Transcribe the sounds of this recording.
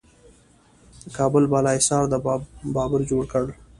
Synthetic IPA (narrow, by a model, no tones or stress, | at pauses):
kɑːbəlbɑlɑɪsɑːɾd̪əbɑːbəɾd͡ʒoɽkəɽ